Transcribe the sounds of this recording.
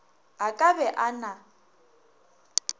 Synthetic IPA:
ɦakʼabɛʔana

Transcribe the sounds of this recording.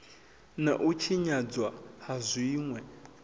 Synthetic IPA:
naʔut͡ʃʰiɲad͡zwahazʷiiːŋwɛ

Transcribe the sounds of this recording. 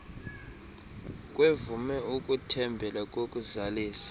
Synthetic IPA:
kʼwevumɛukʼutʰɛmbʱɛlakʼokʼuzaliːsḁ

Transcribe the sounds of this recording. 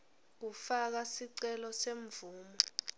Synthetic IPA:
k̬ufak̬asiǀɛlɔseɱb̪vʱuːmɔ

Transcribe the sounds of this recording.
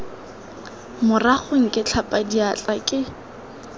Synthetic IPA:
mʊraχʊŋ̩kʼɪt͡ɬʰapʼadiat͡ɬʼakʼɪ

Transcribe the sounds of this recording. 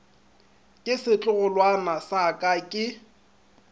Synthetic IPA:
kʼɪsɪt͡ɬʼʊɣʊlwanasakʼakʼɪ

